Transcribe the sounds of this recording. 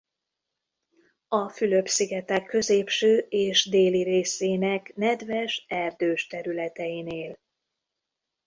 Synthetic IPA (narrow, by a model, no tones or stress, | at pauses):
ɒfylø̞bsiɡɛt̪ɛkʰːø̞zeːpʃøːʔeːʃd̪eːliɾeːseːnɛknɛd̪vɛʃɛrd̪øːʃt̪ɛɾylɛt̪ɛjineːl